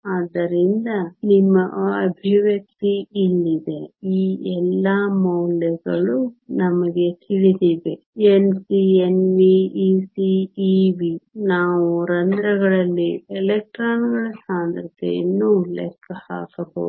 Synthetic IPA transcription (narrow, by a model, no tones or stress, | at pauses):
aːd̪ːɐɾind̪ɐnimːɐɐbʱiʋjɐk̚t̪iilːid̪e̞iːɛlːamɐwlɛɡɐɭunɐmɐɡe̞t̪ʰiʋid̪iʋe | ensienʋiiːsiːʋinaːʋuɾɐnd̪ɾɐɡɐɭɐlːielek̚ʈɾaːnɡɐɭɐsaːnd̪ɾɐt̪ʰɛ̰jɐ̰nːulɛ̰kʰːɐha̰ːkɐbo̰ːd̪u